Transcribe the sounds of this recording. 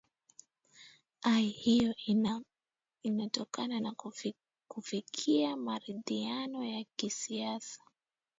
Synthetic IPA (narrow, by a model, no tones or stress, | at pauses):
aihijɔ | inatɔkanana | kufikʰiamaɾiðianɔjakisiasḁ